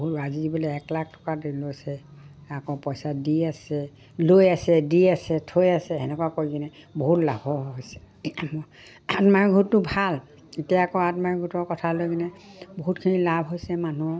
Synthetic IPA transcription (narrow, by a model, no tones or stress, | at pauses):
ɦuazizibɔleɛklak̚tɔ̥kadilojsɛakɔpɔjsadiasɛ | lojasɛdiasɛtʰojasɛɛnɛkwakojɡinɛboɦutla̰bʱɔɦojsɛ̥ | amɔ | atmaɹɡʱutːʊbʱal | itijaakɔatmaɹiɡʱutɔɹkɔtʰalojɡinɛboɦutkʰinilabʱɦojsɛmanu